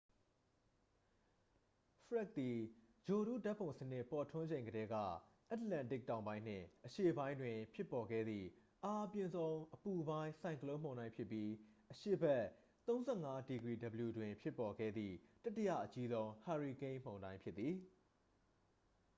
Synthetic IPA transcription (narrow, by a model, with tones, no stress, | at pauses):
fəɹa˦˨k̚t̪i˨ | d͡ʑo˨ɾṵ˦˨da˦ʔpʰːõ˨ʊ̃sənɪ˦ʔpɔ˨tʰʊ̃˦ɲd͡ʑẽ˨ŋɡəɾɛ˦ɡä̰˦˨ʔa˦tlã˨ntɪ˦˨k̚tːã˨ʊ̃mbã˦ɪ̃n̥ɪ̰̃˦˨ʔəʃḛ˦˨bã˦ɪ̃ndwɪ̃˨pʰjɪ˦pːɔ˨ɡɛ̰˦˨d̪ðḭ˦˨ | ʔa˦ʔəpjɪ̃˨nzõ˦ʊ̃ʔəpu˨bã˦ɪ̃sã˨ɪ̃kəlõ˦m̥õ˨ʊ̃nã˦ɪ̃pʰjɪ˦pːji˦ʔəʃḛ˦˨bɛ˦˨ | t̪õ˦ʊ̃zɛ˦˨ŋa˦di˨ɡɹi˨də˨bəlju˨dwɪ̃˨pʰjɪ˦pːɔ˨ɡɛ̰˦˨d̪ðḭ˦˨ta˦tːɪ˦˨jä̰˦˨ʔət͡ɕi˦zõ˦ʊ̃ha˨ɹi˨kẽ˦ɪ̃m̥õ˨ʊ̃ndã˦ɪ̃mpʰjɪ˦i˨